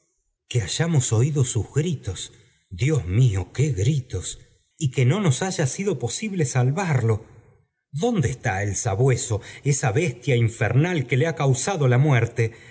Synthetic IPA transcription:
keaʒamo̞so̞iðo̞suzɣɾit̪o̞s | ðjo̞zmiokeɣɾit̪o̞s | ikeno̞no̞saʒasiðo̞po̞siβlesalβaɾlo̞ | ðo̞nd̪eːst̪aelsaβwe̞so̞esaβest̪jaiɱfḛɾnalke̞leakawsaðo̞lamwɛɾt̪e̞

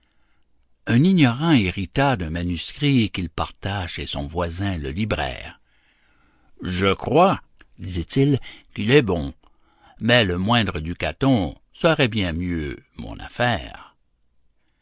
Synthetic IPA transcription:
œ̃niɲɔʁɑ̃eʁit̪ad̪ɛ̃manyskʁikilpaʁt̪aʃʃesɔ̃vwazɛ̃ləlibʁɛ̰ːʁ | ʒəkχwa | d̪izɛt̪ilkilɛbɔ̃ | mɛləmwɛ̃d̪ʁəd̪yka̰t̪ɔ̃ | səʁɛbjɛ̃mjømɔ̰̃na̰fɛːʁ

